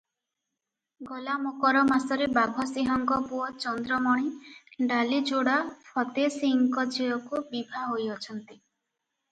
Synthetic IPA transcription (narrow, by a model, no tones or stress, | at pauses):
ɡɔlamokɔɾɔmasɔɾebabʱɔsiɦɔŋɡɔpuɔt͡ʃɔnd̪ɾɔmɔɽ̃iɖalid͡ʒoɽapʰɔt̪esiŋkɔd͡ʒeɔkubibʱaɦojɔt͡ʃʰɔnt̪i